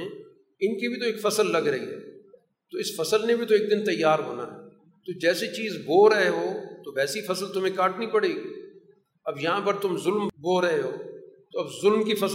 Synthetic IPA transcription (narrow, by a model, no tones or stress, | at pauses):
ɪnkibʱit̪oeːkfɐsəlːɐɡɾɐɦḭɦɛ̰ː | t̪oɪsfɐsəlnebʱit̪oeːk̚d̪ɪnt̪ɐjːaːɾɦo̰ːna̰ɦɛ̰ː | t̪od͡ʒɛːset͡ʃiːzboːɾɐɦeɦoːt̪oʋɛːsifɐsəlt̪ʊmẽkaːʈnəĩpɐɽeːɡiː | ɐbjɐɦãpəɾt̪ʊmzʊlmboːɾɐɦeɦoːt̪oɐbzʊlmkifɐs